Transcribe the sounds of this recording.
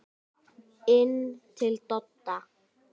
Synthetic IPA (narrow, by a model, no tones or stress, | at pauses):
entʰelt̪ɔt̪ːa